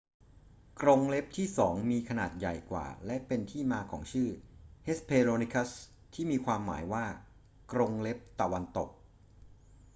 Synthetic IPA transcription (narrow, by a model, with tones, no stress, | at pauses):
kɾo˧ŋle˦˥p̚t̪ʰiː˥˩sɔː˩˦ŋmiː˧kʰa˧naː˨˩t̪̚ja̰˨˩jkwa̰ː˨˩lɛ˦˥ʔpe˧nt̪ʰiː˥˩maː˧kʰɔː˩˦ŋt͡ɕʰɯː˥˩ʔe˦˥spʰeː˧ɾoː˧ni˦˥kʰa˦˥s | t̪ʰiː˥˩miː˧kʰwaː˧mːa̰ː˩˦jwaː˥˩ | kɾo˧ŋle˦˥p̚t̪a˨˧wa˧nt̪o˨˩k̚